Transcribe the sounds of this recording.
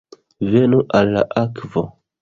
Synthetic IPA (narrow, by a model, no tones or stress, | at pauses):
ve̞nuʔalːa̰ʔakvo